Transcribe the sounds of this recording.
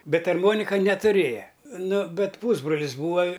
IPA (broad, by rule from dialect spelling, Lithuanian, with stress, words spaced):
ˈbʲɛt ɐrˈmoːnʲɪkɐ nʲɛtʊˈrʲeːjɛ ˈnʊ ˈbʲɛt ˈpuːzbroːlʲɪs ˈbuːʋɐ